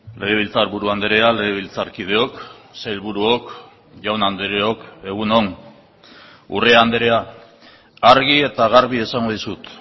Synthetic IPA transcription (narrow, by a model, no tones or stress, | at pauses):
le̞ɣ̞e̞β̞ilt͡saɾβuɾuand̪eɾe̞ale̞ɣ̞eβ̞ilt͡saɾkið̞e̞o̞ksejlβuɾuok | ʝawnand̪eɾeo̞ke̞ɣ̞unon | ṵreand̪eɾe̞a | aɾɣ̞ie̞t̪aɣaɾβie̞saŋɡo̞ðisut̪